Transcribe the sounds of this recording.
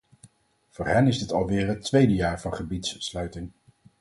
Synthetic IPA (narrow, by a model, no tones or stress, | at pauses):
v̥ʊːɹɦɛnɪzdɪtɑlˠʋɪːɹɦətʋejdəjaːɹvɑnχəbitsːlœɥtɪŋ